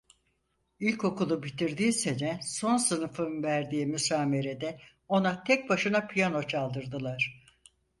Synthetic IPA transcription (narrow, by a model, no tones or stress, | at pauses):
ilʲco̞kulˠubit̪ʰiɾd̪iːse̞nɛso̞nsɯnɯfɯnvæɾd̪iːmysaːme̞ɾe̞d̪ɛ | o̞nat̪ʰɛc̚baʃɯnapʰijano̞t͡ʃʰalˠd̪ɯɾd̪ɯlˠaɾ̥